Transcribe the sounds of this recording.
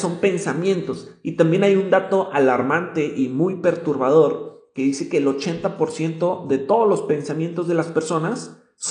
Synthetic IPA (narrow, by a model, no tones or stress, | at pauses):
so̞mpe̞nsamjẽ̞nt̪o̞sit̪ambje̞najund̪at̪o̞ʔalaɾmant̪e̞ʔimujpe̞ɾt̪uɾβað̞o̞ɾke̞ðise̞ke̞ːlo̞t͡ʃe̞nt̪apo̞ɾsje̞nt̪o̞ðe̞t̪o̞ðolo̞spe̞nsamje̞nt̪o̞zðe̞laspe̞ɾso̞nasː